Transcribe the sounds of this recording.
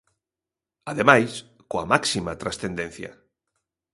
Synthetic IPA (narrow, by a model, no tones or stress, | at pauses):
aðemajs | koamaksimat̪ɾasθẽnd̪en̟θja̰